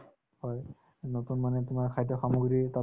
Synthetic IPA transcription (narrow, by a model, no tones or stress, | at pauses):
hɔj | notunmanɛtʊmaɹkʰajdɔxamuɡɹita